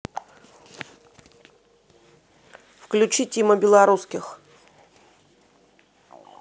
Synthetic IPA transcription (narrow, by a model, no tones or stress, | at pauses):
fklʲʉt͡ɕitʲiməbʲɪlˠɐɾuskʲɪx